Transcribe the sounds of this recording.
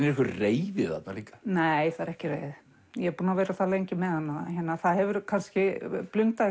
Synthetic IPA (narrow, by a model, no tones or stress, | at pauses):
nɛɾɛhkvʏreːjvɪða̰t̪naliːkḁneːjθaðɾɛhcɪrḛːjðɪ | jɛɛpuːnaveːɾaθalejɲcɪmɛðhanːaçɛnːaθaðhɛvʏɾkʰanscɪplʏŋt̪a